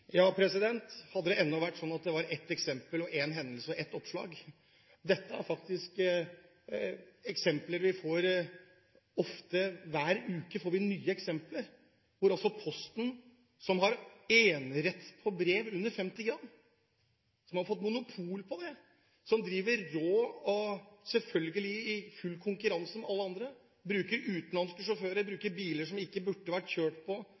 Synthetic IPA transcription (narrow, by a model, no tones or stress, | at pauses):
jɑːpʰɾɛsɪd̪ɛnt̪hɑd̪ːəd̪ɛɛnːɔʋæʈːsɔnːɑt̪̚d̪ɛʋɑɾɛt̪ːɛksɛmpəlɔʔeːnɦɛnd̪əlsəʔɛt̪ːɔpʂɭɑ̰ːɡ | d̪ɛt̪ːəæ̰ɾfɑkt̪ɪsk | ɛksɛmpləɾʋɪfoːɾ | ɔft̪əʋæːɾʉːkəfoːɾʋɪnyːəɛksɛmpləɾ | ʋʊɾɔlsɔpʰɔst̪n̩ | sɔmɦɑɾeːnɾɛt̪ːpʰɔbɾeːʋʉnːəɾfɛmt̪ɪɡɾɑmː | sɔmhɑɾfɔt̪ːmʊnʊpʰuːlpʰɔd̪ɛ | sɔmd̪ɾiːʋəɾɾoːɔsɛlfœlɡəlɪɪfʉlːkʰʊŋkʉɾɑnsəmɛɑlːəɑnd̪ɾə | bɾʉːkəɾʉːt̪nlɑnskəʂɔføːɾəɾbɾʉːkəɾbiːləʂɔmɪkːəbʉʈːəʋæʈçøːʈpʰɔ